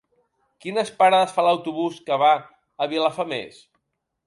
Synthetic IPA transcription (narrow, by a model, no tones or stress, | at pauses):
kinəspaɾaðəsfaləwt̪uβuskəβa | əβilafamḛs